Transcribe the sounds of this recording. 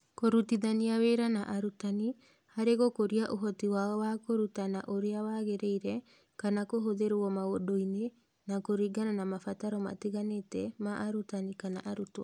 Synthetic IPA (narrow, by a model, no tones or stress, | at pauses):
koɾutiðaniaweɾanaʔaɾutani | haɾeɣokoɾiaʔoɦɔtiwaɔwakoɾutanaʔoɾeawaɣeɾeiɾɛ | kanakoɦoðeɾɔmaɣodoine | nakoɾiɡananamafataɾɔma̰tiɣanetɛmaʔaɾutanikanaʔaɾutɔ̰